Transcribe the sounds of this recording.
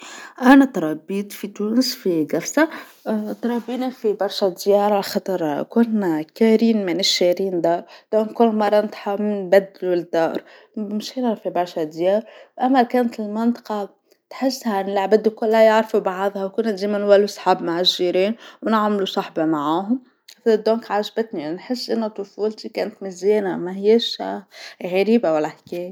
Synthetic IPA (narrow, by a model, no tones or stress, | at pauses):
ʔanat̪ɾˤɑbːiːt̪fit̪uːnɪsfiɡæfsa | t̪ɾˤɑbiːnifibɑɾˤʃad̪jɑːɾˤalxɑt̪ˤɑɾˤkʊnkaːɾiːnmɪnɪʃːaɾiːnd̪ɑːɾˤd̪̥onkʊnlmɑrˤːɑnt̪ħamɪnbæd̪ːlud̪ːɑːɾˤ | mʃinafibɑɾˤʃad̪jɑːɾˤwʔamːalkaːnt̪ɪlmɪnt̪ˤɑ̥qɑ | t̪ħɪsːhanɪlaʕbɪd̪ːukʊlːajɑʕɾfubɑʕðˤhɑwkʊnat̪d̪eːmanwalːusˤħɑːbmaʕɪʒːiːɾiːnwnɪʕmlusˤɑħbɑmaʕaːɦʊm | d̪oːŋkʕaʒbat̪ninħɪsːʔɪnːʊt̪ˤʊfuːlt̪ikeːnt̪mɪzjeːnamahɪjːaʃːa̰ːɣaɾiːbawalːahkeːj